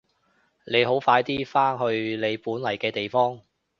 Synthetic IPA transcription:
ne˨˧jɦo˨˥wfaː˧jt̪iː˥faː˥ŋɦɵ˧ɥle˨˧jpuː˨˥nlɐ˨˩jkɛː˧t̪e˨jfɔː˥ŋ

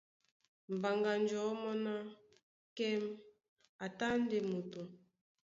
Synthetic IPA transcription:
m̩˨ba˨ŋɡa˨nd͡ʒɔ˨˦mɔ˦na˦ | kɛ˦m | a˨ta˦n˦de˨mo˨tu˨

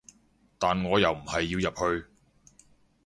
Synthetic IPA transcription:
t̪aː˨nŋɔː˨˧jɐ˨wm̩˨˩hɐ˨jːiː˧wjɐ˨p̚hɵ˧ɥ

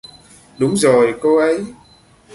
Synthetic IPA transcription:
ɗʊ˨˦ŋ͡mzo˨˩jko˧ʔə˨˦j

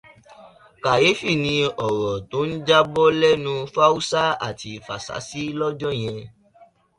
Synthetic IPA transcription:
ka˨je˨˦fi˦˨nĩ˧ɔ˨ɾɔ˨to˨˦n̩˦d͡ʒa˦bɔ˦lɛ˦nũ˧fa˦u˦sa˦a̰˦˨ti˧fa̰˨sa̰˨˦si˦lɔ˦d͡ʒɔ̃˦j̃ɛ̃˧

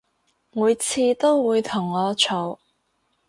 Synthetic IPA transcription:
muː˨˧jt͡sʰiː˧t̪o˥wwuː˨˧jt̪ʰʊ˨˩ŋːɔː˨˧t͡ʃʰo˨˩w

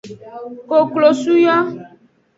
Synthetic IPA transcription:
ko˨klo˨su˦jɔ˦

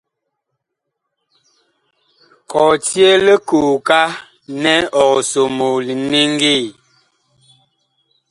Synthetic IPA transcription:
kɔ˨tje˦lə˦ku˨ka˦ | nɛ˦ɔ˨ɣso˨mo˨li˨ni˦ŋ˦ɡi˦˨

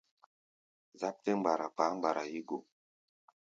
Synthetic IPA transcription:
za˦p̚te˦ŋ͡mɡ͡ba˨ɾa˨pa˨˦ŋ͡mɡ͡ba˨ɾa˨ji˦ɡo˨

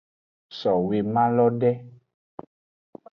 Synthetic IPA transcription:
sɔ˨we˨mã˦lɔ˦ɖɛ˦

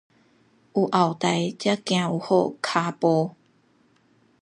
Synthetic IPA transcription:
ʔu˨˩ʔa˨˩wt̪a˨˩jt͡ɕja˦kj̃ã˧u˨˩ho̰˥˧˨kʰa˧pɔ˧

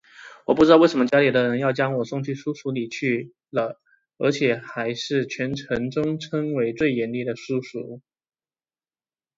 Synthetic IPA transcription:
wɔ˨˩pu˥˩ɻ̩˥ɑ˥˧we˥˩ɪʂə˧˥mə˧t͡ɕja˥li˨˩d̪ə˧ɻə˧˥njɑ˥˩ʊt͡ɕjɑ˥ŋwɔ˨˩sʊ˥˧ŋt͡ɕʰy˥˩ʂu˥ʂu˧˥li˨˩t͡ɕʰy˥˩ | lə˨˩ | ə̰˞˧˥t͡ɕʰjɛ˨˩xa˧˥ɪʂɻ̩˥˩t͡ɕʰɥɛ˧˥nʈ͡ʂʰɤ˧˥ŋʈ͡ʂʊ˥ŋʈ͡ʂʰɤ˥ŋwe˧˥ɪt͡swe˥˩ɪjɛ˧˥nli˥˩d̪ə˩ʂu˥ʂṵ˧˥

